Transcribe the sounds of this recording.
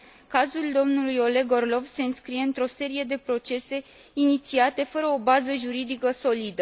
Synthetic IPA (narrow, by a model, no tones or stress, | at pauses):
kazuld̪o̞mnulujo̞le̞ɡo̞rlo̞vse̞ɨnskɾije̞ɨnt̪ɾo̞se̞ɾie̞d̪e̞pɾo̞t͡ʃe̞se̞ | init̪siat̪e̞fəɾəobazəʒuɾid̪ikəso̞lid̪ə